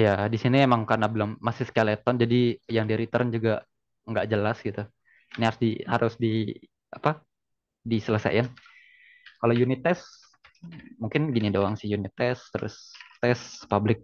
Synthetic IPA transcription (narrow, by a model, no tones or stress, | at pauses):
jadisiniemaŋkarnabəlʊmːasɪhskalet̪ɔnd͡ʒadijaŋdiɾit̪əɾnd͡ʒuɡa | ŋɡaʔd͡ʒəlasɡit̪u | niaɾʊsdihaɾʔʊsdi | apa | disələsa̰jɪn | kalojunɪt̪ɛs | muŋkɪnɡinidoaŋsɪhjunit̪ɛst̪əɾʊ̰st̪ɛspablɪk̚